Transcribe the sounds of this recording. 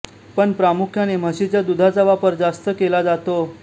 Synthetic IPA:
pəɳpɾamukʰjanem̤əɕit͡ɕjad̪ud̪ʱat͡saʋapəɾd͡zast̪əkelad͡zat̪o

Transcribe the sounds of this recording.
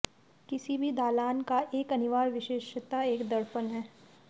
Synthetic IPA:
kɪsibʱid̪aːlaːnkaʔeːkɐnɪʋaːɾʋɪʃeːʃt̪aeːkd̪əɾpənɦɛː

